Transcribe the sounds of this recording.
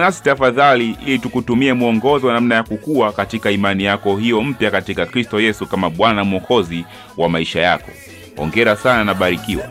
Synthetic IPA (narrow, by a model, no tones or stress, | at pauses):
nasi̥tafaðaliʔilitukutumiɛmuɔŋɡɔziwanam̩najakukuwakatikaimanijakɔhijɔm̩pjakatikakɾistɔjɛsukamaɓwanamuɔkʰɔzi | wamaiʃaja̰kɔ | ɔ̰ŋɡɛɾasananaɓaɾikiwa̰